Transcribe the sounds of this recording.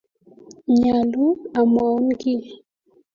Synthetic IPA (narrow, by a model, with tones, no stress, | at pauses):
ɲa˨lu˦a˨ma˨˦n˦ki˦˨